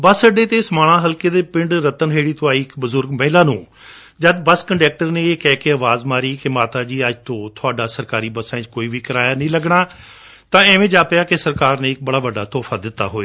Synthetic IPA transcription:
bəsəɖeːt̪eːsmaːɽ̃ãːɦəlkeːd̪eːpɪ̃ɳɖɾət̪ənɦeːɽiːt̪ʰʊaːiːɪkbəzʊɾɡmɛ̃ːlãːnũː | d͡ʒəd̪bəskəɳɖɛːk̚ʈəɾneːeːkɛːkeəːʋaːzmaːɾiːkemaːt̪aːd͡ʒiːəd͡ʒt̪õːt̪ʰʊaːɖaːsəɾkaːɾiːbəsãːɪ̃t͡ʃkoːiːʋiːkəɾaːjaːnəĩːləɡɳaː | t̪ãːɛːʋẽːd͡ʒaːpɪjaːkesəɾkaːɾnẽːɪk̚bəɽaːʋəɖaːt̪ɔːfʰaːd̪ɪt̪ːa̰ːɦoːeː

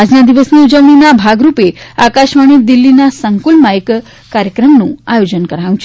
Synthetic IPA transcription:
ad͡ʑnad̪iʋəsniud͡ʒəʋɳinabʱaɡɾupeakaʃmaɽ̃id̪ilːinasəŋkulmaek | kaɾjəkɾəmnũajod͡ʑənkəɾaʋũt͡ʃʰe̥

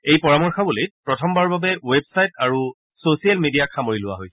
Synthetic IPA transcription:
ejpɔɹamɔɹxabulijpɹɔtʰɔmbaɹbabɛwebsajtaɹu | sosijalmidijakʰamoɹilʊwa̰ɦoj

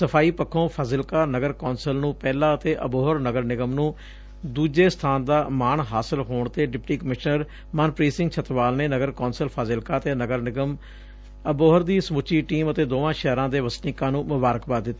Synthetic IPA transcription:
səpʰaːiːpəkʰːõːpʰaːzɪlkaːnəɡəɾkoːnsəlnũːpɛːlãːət̪eːʔəboːɦəɾnəɡəɾnɪɡəmnũː | d̪uːd͡ʒeːst̪ʰaːnd̪aːmaːɳɦaːsɪlɦoːɳt̪eːɖɪpʈiːkəmɪʃnəɾ | maːnpɾiːsɪ̃ŋɡt͡ʃʰət̪ʋaːlneːnəɡəɾkoːnsəlpʰaːzɪlkaːət̪eːnəɡəɾnɪɡəm | əboːɦəɾd̪iːsəmʊt͡ʃiːʈiːmət̪eːd̪oːãːʃɛːɾãːd̪eːʋəsnɪːkãːnũːmʊbaːɾəkbaːt̪̚d̪ɪt̪ːaː

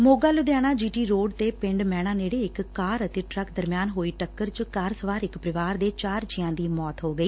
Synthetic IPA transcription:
moːɡaːlʊd̪jaːɽ̃aːd͡ʒiːʈiːɾoːɖt̪eːpɪ̃ɳɖmɛːɽ̃ãːneːɽeːɪkːaːɾət̪eːʈɾəkd̪əɾmɪjaːnɦoːiːʈəkːəɾt͡ʃkaːɾsəʋaːɾɪkpɾɪʋaːɾd̪eːt͡ʃaːɾd͡ʒɪjãːd̪iːmɔːt̪ɦoːɡəiː

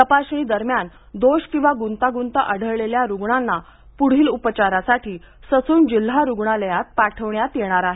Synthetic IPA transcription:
t̪əpaɕɳ̃iːd̪əɾmjan | d̪oɕkĩw̃ʋaɡunt̪aɡunt̪əʔəɽ̤əɾleljaɾuɡɳanːa | puɽ̤iːlupət͡ɕaɾasaʈʰiː | sət͡suːnd͡ʑil̤ːaɾuɡɳaləjat̪̚paʈʰəʋɳjat̪jeɽ̃aɾaɦe

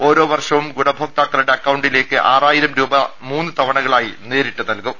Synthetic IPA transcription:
o̞ːɾo̞ːʋɐrʂɐʋumɡuɽɐbʱoːk̚t̪aːkːɐluɽe̞ɐkːɐwɳɖile̞ːkːɨʔaːraːjiɾɐmɾuːbɐmuːnːɨt̪ɐʋɐɳɐɣɐɭaːjine̞ːɾiʈːunɐlkum

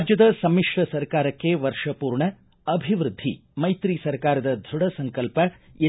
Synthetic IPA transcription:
d͡ʒjɐd̪ɐsɐmiʂʈɐsɐɾkaːɾɐkːeʋɐɾʂɐpuːɾɳɐ | ɐbʱiʋɾud̪ʱːḭmɐjt̪ɾisɐɾkaːɾɐd̪ɐd̪ʱuɽɐsɐŋkɐlpɐ | e

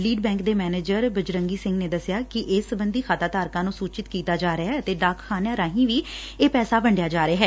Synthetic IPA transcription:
liːɖbɛ̃ːŋkd̪eːmɛːneːd͡ʒəɾbəd͡ʒɾəŋɡiːsɪ̃ŋɡneːd̪əsɪjaːkɪʔɪsbənd̪iːkʰaːt̪aːt̪aːɾkãːnũːsuːt͡ʃɪt̪kiːt̪aːd͡ʒaːɾɪaət̪eːɖaːkxʰaːnjaːɾãːɦĩːʋiː | eːpɛːsaːbəɳɖɪjaːd͡ʒaːɾɪaːɦɛː

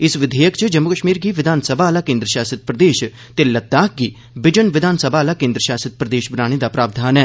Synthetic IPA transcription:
ɪsʋɪd̪ʱeːjəkt͡ʃəd͡ʒəmːʊkəʃmiːɾɡiːʋɪd̪ʱaːnsəbʱaːlaːkẽːnd̪ɾəʃaːsət̪̚pɾəd̪eːʃ | t̪elət̪̚ːaːk̚ɡiː | bɪd͡ʒənʋɪd̪ʱaːnsəbʱaːlaːkẽːnd̪ɾəʃaːsət̪̚pɾəd̪eːʃbnaːɽ̃ed̪aːpɾaːb̚d̪ʱaːnɛː

